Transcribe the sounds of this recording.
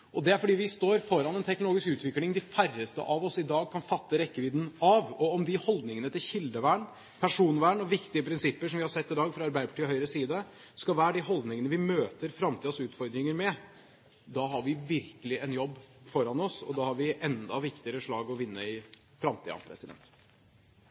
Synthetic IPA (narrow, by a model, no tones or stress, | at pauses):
ʔɔd̪ɛæɾfɔɖiːʋɪst̪oːɾfɔɾɑnɛnt̪ʰɛk̚nloːɡɪskʉːt̪ʋɪklɪŋd̪ɪfærːəst̪ə̰ʔɑʋɔsɪd̪ɑːɡ̚kʰɑnfɑt̪ːəɾɛkːəʋiːd̪n̩ɑʋɔɔmd̪ɪhɔld̪nɪŋənət̪ɪlçɪld̪əʋæːɳ | pʰæʂuːnʋæːɳɔʋɪkt̪ɪəpʰɾɪnsɪpːəʂɔmʋɪhɑɾsɛt̪ːɪd̪ɑːɡfɾɑɑɾbæɪd̪əpʰɑʈʰiːhœʏɾəsiːd̪ə | skɑʋæːɾəɖɪɦɔld̪nɪŋənəʋɪmøːt̪əɾfɾɑmt̪iːd̪ɑsʉːt̪fɔɾd̪ɾɪŋəɾmɛ | d̪ɑɦɑɾʋɪʋɪɾkəlɪʔɛnjɔbːfɔɾɑnɔsɔ̰d̪ɑhɑɾʋɪʔɛnd̪ɑʋɪkt̪ɪəɾəʂɭɑːɡɔʋɪnːəɪ | fɾɑmt̪ʰiːd̪ɑ̰pʰɾɛ̰sɪd̪ɛ̰nt̪